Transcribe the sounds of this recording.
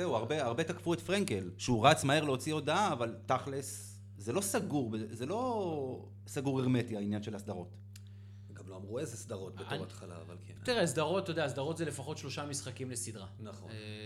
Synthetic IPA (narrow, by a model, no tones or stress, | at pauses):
zeuaʁbeaʁbe̞takfuetfʁeŋkelʃeuʁat͡smahe̞ʁleo̞t͡sio̞daaːvalt̪aχles | zelo̞saɡuʁbezelo̞ | saɡuʁeʁme̞tiainjanʃe̞lasd̪aʁo̞t | ɡamloamʁuezesd̪aʁo̞t̪̚bet̪at̪χala̰ːva̰lketiʁesd̪aʁo̞t̚ːojd̪eas̬d̪aʁotzele̞faχo̞tʃlo̞ʃamisχakimlesid̪ʁanaχon